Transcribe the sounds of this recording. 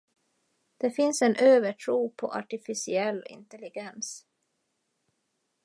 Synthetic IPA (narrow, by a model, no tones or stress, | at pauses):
d̪̥ɛfɪnsɛnʔøːvəʈʰɾuːpʰɔ̰ʔa̰ʈɪfɪsɪɛlːɪ̰nt̪ɛlɪɡɛns